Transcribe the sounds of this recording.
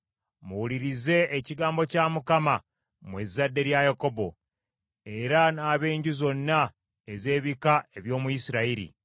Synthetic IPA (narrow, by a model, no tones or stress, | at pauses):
muwuliɾize̞ːciɡaːmbo̞camukama | mwezːadːe̞ɾjajako̞bo̞ | e̞ɾanaːβe̞ːɲɟuzo̞nːa | eze̞ːβikae̞βjo̞ːmujisiɾaiɾḭ